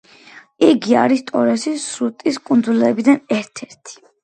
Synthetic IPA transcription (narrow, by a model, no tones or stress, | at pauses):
iɡia̰ɾist̪ʼɔɾɛsisɾut̪ʼiskʼund̪zulɛbid̪anɛɾt̪ʰɛɾt̪ʰi̥